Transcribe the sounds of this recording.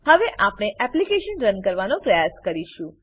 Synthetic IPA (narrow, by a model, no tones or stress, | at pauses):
həʋeʔapɳ̃eʔɛplikeʃənɾənkəɾʋanõpɾəjaskəɾiʃũ